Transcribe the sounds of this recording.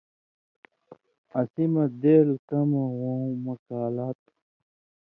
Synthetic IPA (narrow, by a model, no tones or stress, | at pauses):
ɐsimɐd̪eːlkɐmɐwõmɐkaːlaːt̪̚